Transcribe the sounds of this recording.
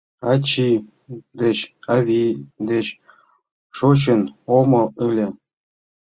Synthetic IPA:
ɑt͡ɕi | d̪et͡ɕɑβʲid̪et͡ɕ | ʃot͡ɕ̬ənomɤ̆ylʲe

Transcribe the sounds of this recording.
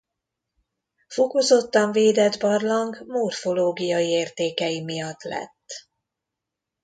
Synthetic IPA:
fokozo̞t̪ːɒɱveːd̪ɛd̪bɒrlɒŋɡmorfo̞loːɡijɒjieːrt̪eːkɛjimijɒt̪lɛ̰t̪ː

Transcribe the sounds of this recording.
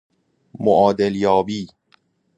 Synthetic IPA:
moʔɒːd̪eljɒːbiː

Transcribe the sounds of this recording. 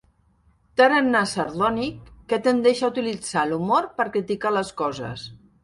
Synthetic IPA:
t̪aɾanːasəɾðɔnikːet̪end̪eʃaut̪ilid͡z̥alumoɾpəɾkɾit̪ikaləskɔzə̰s

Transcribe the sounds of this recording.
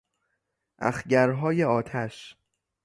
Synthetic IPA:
ʔæ̰xɟæɾɦɒːjeɒːt̪ʰæʃ

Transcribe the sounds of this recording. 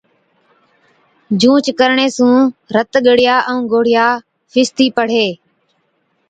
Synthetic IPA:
d͡ʒũːt͡ʃkəɾɳeːsũːɾət̪ɠəɽ̤ɪjaːʔəũːɡoːɽ̤ɪjaː | fʰɪst̪iːpəɽ̤eː

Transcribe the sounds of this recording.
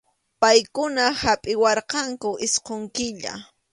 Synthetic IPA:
pajkʊnahapʼɪwɑɾqɑŋkʊʔɪsqoŋkɪʎa̰

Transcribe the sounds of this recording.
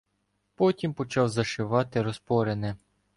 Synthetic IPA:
pɔtʲimpɔt͡ʃɑwzɐʃɪʋɑt̪ɪɾɔspɔɾenɛ

